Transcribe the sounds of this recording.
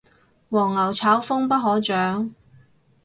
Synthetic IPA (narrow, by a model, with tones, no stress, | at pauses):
wɔː˨˩ŋːɐ˨˩wt͡sʰaː˨˥wfʊ˥ŋpɐ˥t̚ɦɔː˨˥t͡ʃœː˨˥ŋ